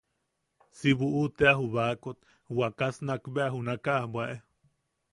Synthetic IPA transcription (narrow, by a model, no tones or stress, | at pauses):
siβuʔut̪eaɦuβakot̪ | wakasnakbeaɦunakaʔhbwaʔe